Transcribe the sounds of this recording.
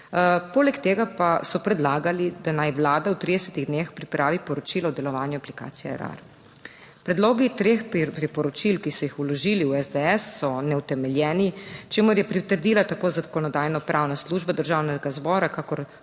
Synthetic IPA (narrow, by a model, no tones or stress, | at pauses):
poːlɛkt̪eːɡapasɔpɾɛd̪laːɡalid̪anajʋlaːd̪awt̪ɾid̪ɛsɛt̪iɣd̪nexpɾipɾʔaːʋipɔɾɔt͡ʃiːlɔɔd̪ɛlɔʋaːnjuaplika̰ːt̪sijɛɛ̰ɾa̰ɾ | pɾɛd̪loːɡit̪ɾexpɾipɔɾɔt͡ʃilkisɔjixulɔʒiːliuɛzd̪eɛsːɔnɛut̪ɛmɛljɛːnit͡ʃeːmuɾjɛpɾit̪əɾd̪ilat̪akoːzakɔnɔd̪aːjnɔpɾʔaːwnasluːʒbad̪əɾʒaːwnɛɡazbɔːɾakakɔɾ